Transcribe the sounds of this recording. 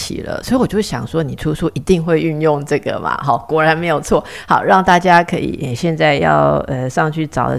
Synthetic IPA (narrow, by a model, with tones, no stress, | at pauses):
t͡ɕʰḭ˨˩lə̰˦swɔ˧˥i˧wɔ˨˩t͡ɕo˥˩ɕjɑ˨˩ŋʂwɔ˥ni˨˩ʈ͡ʂʰu˥su˥˩ʔi˧˥t̪i˥˧ŋxwe˥˧ɪy˥˧njʊ˥˧ŋʈ͡ʂɤ˥˩ɡə̰˩mʔɐ̰˨xɑ˨˩˦ʊkwɔ˧˥ɻa˧˥nme˧˥ɪjo˨˩ʊt͡sʰwɔ˥˩ | hɑ̰˨˩˦ʊɻɑ˥˩˧ŋt̪a˥˩t͡ɕja˥kʰɤ̰˧˥ḭ˨˩ʔə˨˩ɕjɛ˥˧nt͡sa˥˧ɪjɑ̰˥˩ʊə˨ʂɑ˥˧ŋt͡ɕʰy˥˩ʈ͡ʂɑ˨˩ʊd̪ə̰˦